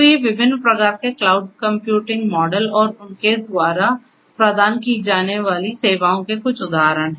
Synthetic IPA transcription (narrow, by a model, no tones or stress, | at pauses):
ojeʋɪbʱɪnːpɾɐkaːɾkeklaːʊɖ̚kɐ̃mpjuːʈɪ̃ŋɡmɔːɖəlɔːɾʊnked̪waːɾa | pɾɐd̪aːnkid͡ʒaːneʋaːliseːʋaːõkekʊt͡ʃʰʊd̪aːɦɾəɽ̃ɦɛː